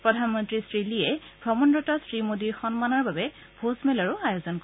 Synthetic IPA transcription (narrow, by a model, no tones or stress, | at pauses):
pɹɔdʱanmɔntɹisɹiliɛbʱɹɔmɔndɹɔtɔsɹimodiɹxɔnmanɔɹbabɛ | bʱosmɛlɔɹʊajozɔnko